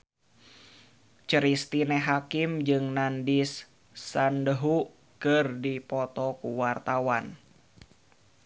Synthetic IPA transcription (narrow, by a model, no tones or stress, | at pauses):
t͡ʃəɾist̪inɛɦakimd͡ʒɨŋnandisː | andəɦu | kɨrdipɔt̪ɔkuwart̪awan